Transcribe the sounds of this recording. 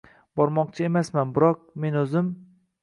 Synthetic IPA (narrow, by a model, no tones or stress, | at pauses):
b̥ɒɾmɒq̚t͡ʃʰae̞masmanbɪɾɒq̚me̞nɵzɪm